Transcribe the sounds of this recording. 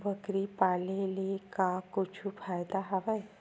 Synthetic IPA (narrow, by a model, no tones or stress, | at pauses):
bəkɾipalelekakut͡ɕʰufajd̪aɦaʋaj